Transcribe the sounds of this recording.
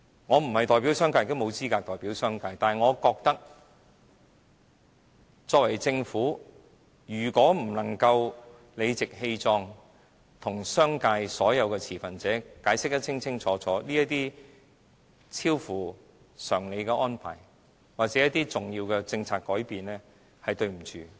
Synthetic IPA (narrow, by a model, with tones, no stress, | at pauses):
ŋɔː˨˧m̩˨˩hɐ˨jt̪ɔː˨jpiː˨˥wsœː˥ŋkaː˧˨kt̪ʊ˥mo˨˧wt͡siː˥kaː˧k̚t̪ɔː˨jpiː˨˥wsœː˥ŋkaː˧jt̪aː˨ŋɔː˨˧kɔː˧k̚t̪ɐ˥k̚ | t͡sɔː˧k̚wɐ˨˩jt͡sɪ˧ŋfuː˨˥ | jyː˨˩kɔː˨˥m̩˨˩lɐ˨˩ŋkɐ˧w | le˨˧jt͡sɪ˨k̚he˧jt͡sɔː˧ŋ | t̪ʰʊ˨˩ŋsœː˥ŋkaː˧jsɔː˨˥jɐ˨˧wkɛː˧t͡sʰiː˨˩fɐ˨nt͡sɛː˨˥kaː˨˥jsɪ˥k̚t̪ɐ˥t͡sʰɪ˥ŋt͡sʰɪ˥ŋt͡sʰɔː˨˥t͡sʰɔː˨˥liː˥jɐ˥t̚t̪iː˥ | t͡sʰiː˥wfuː˨˩ | sœː˨˩ŋle˨˧jkɛː˧ʔɔː˥npʰa̰ː˨˩j | waː˨k̚t͡sɛː˨˥jɐ˥t̪iː˥t͡sʊ˨ŋjiː˧wkɛː˧t͡sɪ˧ŋt͡sʰaː˨˧kːɔː˨˥jpiː˨nlɛː˥ | hɐ˨jt̪ɵ˧ɥm̩˨˩t͡ʃyː˨